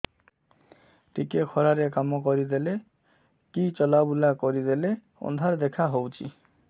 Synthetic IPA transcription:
ʈikekʰɔɾaɾekamokoɾid̪ele | kit͡ɕɔlabulakoɾid̪ele | ɔ̰nd̪ʱaɾd̪ɛkʰaɦowt͡ɕʰḭ

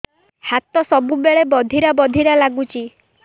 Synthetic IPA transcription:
hat̪ɔsɔbubeɭebɔd̪ʱiɾabɔd̪ʱiɾalaɡut͡ʃʰi

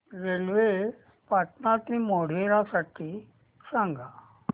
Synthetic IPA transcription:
ɾelʋe | pat̪nat̪imoɽ̤eɾasaʈʰiː | sãŋɡa

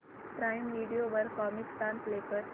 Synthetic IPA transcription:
pɾajmmiːɖijoʋəɾkɔmiksʈ̪anslekəɾ

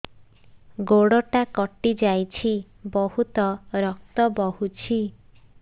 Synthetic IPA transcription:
ɡoɽɔʈakɔʈid͡ʒajt͡ʃʰi | bɔhut̪ɔɾɔk̚t̪ɔbɔɦut͡ʃʰi

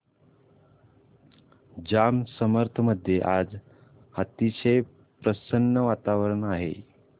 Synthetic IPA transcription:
d͡ʑamsəməɾt̪ʰəməd̪ʱjeʔad͡z | hat̪iɕe | pɾəsənːəʋat̪aʋəɾəɳaɦḛ

